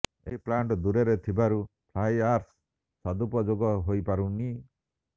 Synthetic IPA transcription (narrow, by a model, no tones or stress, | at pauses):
ḛɦiplaɳʈɔd̪uɾeɾet̪ʰibaɾupʰlajaɾs | sad̪upɔd͡ʒoɡɔɦojpaɾuni